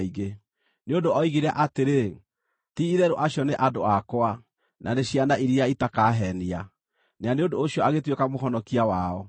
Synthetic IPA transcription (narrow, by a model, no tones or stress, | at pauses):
iɣe | neondoɔiɣeɾaʔateɾe | tiiðɛɾoʔaɕjɔneʔadoakɔwa | nʔaneɕianaʔiɾiaitakaɦɛnia | neaneondoːɕiɔaɣetwekamoɦɔnɔkiawaɔ